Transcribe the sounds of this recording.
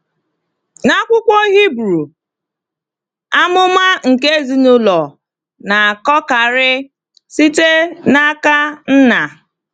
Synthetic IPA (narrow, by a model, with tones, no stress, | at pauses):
na˦kʷʊ˦kʷɔ˦ɦi˦bɾu˨ | a˦mʊ˦ma˦ŋ̩˨ke˦zi˨nʊ˦lɔ˨ | na˨kɔ˦ka˨ɾɪ˦ | si˦te˦na˦ka˦n̩˦na˨